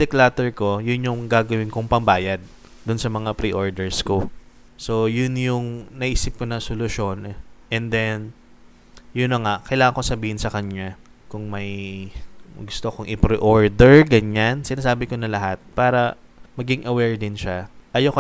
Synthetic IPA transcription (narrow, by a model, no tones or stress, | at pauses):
d̪ɛklaːt̪ɛɹko̞jʊnjʊŋɡaːɡɐwɪnkoŋpɐŋbaːjad̪̚ | d̪ʊnsɐmɐŋapɾiʔoɹd̪ɛɹsko̞ | so̞jʊnjʊŋnɐʔiːsɪp̚konɐsolʊʃo̞nʔɛnd̪ɛn | jʊnɐŋaʔkɐjlaːŋɐŋkosɐbiːhɪnsɐkɐɲɲa | kʊŋmɐj | ɡʊst̪okoŋʔɪpɾiʔoɹd̪ɛɹɡɐɲansɪnaːsaːbɪko̞nɐlɐɦat̪̚paːɾɐ | mɐɡɪŋʔɐwɛɹd̪ɪnʃaʔɐjokɐ